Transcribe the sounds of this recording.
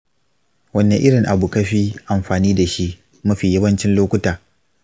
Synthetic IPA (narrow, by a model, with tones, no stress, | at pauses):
wɐ˦nːe˨ʔɪ˦ɽɪ˨ŋʔa˨bu˨kɐ˦ɸiː˦ʔa˨mɸaː˨niː˦da˨ʃi˦ʔ | mu˦ɸiː˨jɐ˦bɐ˦nt͡ʃɪ˦nloː˦kʷʊ˦taː˨